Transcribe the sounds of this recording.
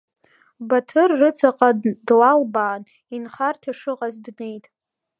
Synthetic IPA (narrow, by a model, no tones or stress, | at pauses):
batʰɨrːɨt͡sʰʼaqʼadlalbaːn | inχartʰaʂɨqʼazdne̞jtʼ